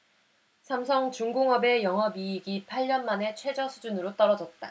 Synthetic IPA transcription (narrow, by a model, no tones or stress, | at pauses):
sʰamsʰʌŋt͡ɕuŋɡoŋɦʌbe̞jʌŋɦʌbiːɡipʰaɭːʌnmane̞t͡ɕʰwe̞d͡ʑʌsʰud͡ʑunɯɾot͈ʌɾʌd͡ʑʌt̚t͈a